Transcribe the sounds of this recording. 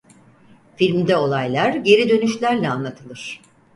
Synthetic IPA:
filʲmd̪ɛo̞lˠajlˠaɾɟe̞ɾid̪ø̞nyʃlʲæɾlʲɛanlˠat̪ʰɯlˠɯɾ̥

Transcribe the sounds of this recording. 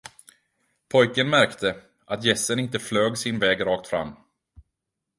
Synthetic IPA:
pʰɔjkənmæɾkt̪ʰə | ʔat̪jɛsːənɪnt̪əfløːɡsɪnvɛːɡɾɑːkt̪fɾa̰mː

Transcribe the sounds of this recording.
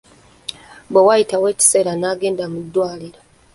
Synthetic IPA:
bewajitawe̞ːci̥se̞ːɾanaːɡe̞ːndamudːwaːliɾo

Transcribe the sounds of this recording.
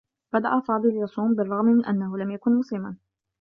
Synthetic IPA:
b̥ad̪aʔafɑːd̪ˤɨljɑsˤuːmbɪrˤːɑɣmɪnʔanːahʊlamjakʊnmʊslɪman

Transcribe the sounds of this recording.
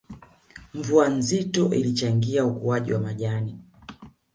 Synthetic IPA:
ɱvuanzitɔʔḭlit͡ʃaŋɡiaukuaʄḭwamaʄani

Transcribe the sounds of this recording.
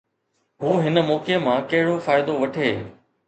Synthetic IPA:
ɦuːɦɪnə̆mɔːkemãkɐɦɪɽofaːɪd̪oʋɐʈʰeː

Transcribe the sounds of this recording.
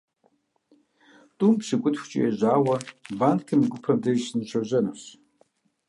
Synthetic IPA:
tʼumpɕɨkʷʼʊtxʷt͡ʃʼɪ̰jɛʑʷaːwɐbaːnkʰɨmɡʷʊpʰɐmdɐsɨnɨɕʷɐʑɐnɐɕ

